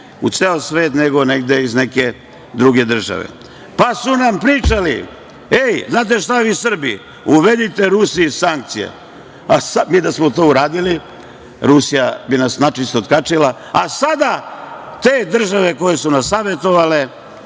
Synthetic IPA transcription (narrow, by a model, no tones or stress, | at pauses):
ut̪seːlsʋe̞ːt̪neɡo̞neɡd̪eizneke̞ | d̪ɾuɡe̞d̪r̩ʒa̰ʋḛ | pasunampɾiːt͡ʃalḭ | ejznaːt̪̬eʃt̪aʋiːusr̩bḭ | uʋed̪it̪e̞ɾusisaŋk̚t̪sija̰ | asamiːd̪asmot̪oːuɾaːd̪ili | ɾusijabinasnat͡ʃist̪ot̪kat͡ʂila | asad̪at̪eːd̪r̩ʒaʋe̞koje̞sunasːaːʋe̞t̪o̞ʋale̞